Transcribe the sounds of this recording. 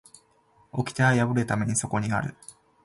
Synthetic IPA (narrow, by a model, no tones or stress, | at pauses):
o̞kʲi̥t̪aajabɯ̟ɾɯ̟t̪ame̞ɲ̟iso̞ko̞ɲ̟ia̰ɾɯ̟̰